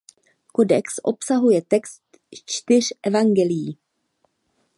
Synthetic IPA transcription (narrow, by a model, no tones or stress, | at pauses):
ko̞dɛksʔo̞psaɦujɛt̪ɛkst̪ | t͡ʃt̪ɪr̝̥ʔɛvaŋɡɛlɪjiː